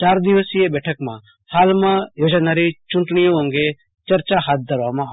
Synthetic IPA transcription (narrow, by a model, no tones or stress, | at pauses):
t͡ʃaːɾd̪iʋəsjebɛːʈʰəkmã̰ | haːlmãjoːd͡ʒanaːɾit͡ʃʊɳʈɳijõõːŋɡe | t͡ʃɐɾt͡ʃaɦaːt̪̚d̪ʱəɾʋamã